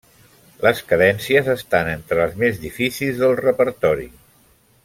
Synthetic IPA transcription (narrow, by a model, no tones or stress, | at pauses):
ləskəðɛnsiəzəst̪anent̪ɾəːlˠzmezðifisilˠzðəlˠrəpəɾt̪ɔɾḭ